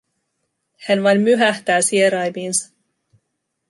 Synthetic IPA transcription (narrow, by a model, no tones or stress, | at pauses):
hænʋɑjnmyɦæht̪æːsieɾɑjmiːnsɑ̥